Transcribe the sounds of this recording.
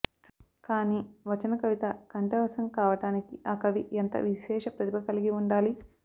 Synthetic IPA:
kaːniːʋɐt͡ʃɐnɐkɐʋit̪ɐkɐɳʈɐʋɐsɐmkaːʋɐʈaːnikiʔaːkɐʋiʔent̪ɐ̰ʋiʃɛːʃɐpɾɐt̪ibɐkɐliɡiuɳɖaːli

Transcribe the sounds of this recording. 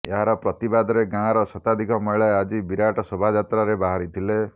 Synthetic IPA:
eɦaɾɔpɾɔt̪ibad̪ɔɾeɡãɾɔsɔt̪ad̪ʱikɔmɔjɭaead͡ʒibiɾaʈɔsɔbʱad͡ʒat̪ɾaɾebaɦaɾit̪ʰile

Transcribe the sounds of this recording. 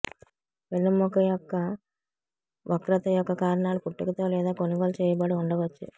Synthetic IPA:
ʋelːɐmɔkɐjɔkːɐ | ʋʔɐkɾɐt̪ɐjɔkːɐkaːɾɐɳaːlupuʈːikɐt̪oːlɛːd̪aːkoniɡolt͡ʃɛːjɐbɐɽuuɳɖɐʋɐt͡ʃːṵ

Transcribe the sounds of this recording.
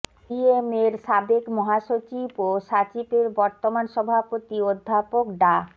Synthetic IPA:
iemeɾʃabekmɔɦaʃot͡ɕiboʃat͡ɕibeɾbɔɾt̪omanʃɔbʱapot̪iod̪ʱːapokɖa

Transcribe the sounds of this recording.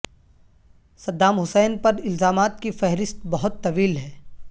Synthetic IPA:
sɐd̪ːaːmɦʊsɛːnpɐɾɪlzaːmaːt̪̚kifɛɦɾɪst̪bɐɦʊt̪ːɐʋiːlɦɛː

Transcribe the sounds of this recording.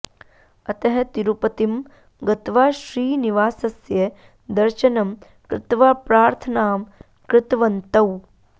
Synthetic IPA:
ɐt̪ɐɦɐt̪iɾupɐt̪im | ɡɐt̪ʋaːʃɾiːniʋaːsɐsjɐ | d̪ɐɾʃɐnɐm | kɾɪ̰t̪ʋaːpɾaːɾt̪ʰɐnaːm | kɾɪt̪ʋɐnt̪ɐw

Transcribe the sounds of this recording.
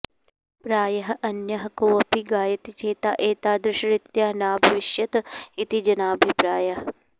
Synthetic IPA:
pɾaːjɐɦɐʔɐnjɐɦɐkoːʋɐpiɡaːjɐt̪it͡ʃeːt̪aːʔeːt̪aːd̪ɾɪʃɐɾɪt̪jaːɦnaːbʱɐʋɪʃjɐt̪it̪id͡ʒɐnaːbʱipɾaːjɐɦɐ

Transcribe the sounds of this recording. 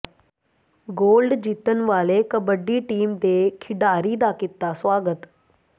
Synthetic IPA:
ɡolɖd͡ʑit̪ənʋalekəbəɖːiːʈiːmd̪ekʰiɽaɾiːd̪akit̪ːasʋaɡət̪

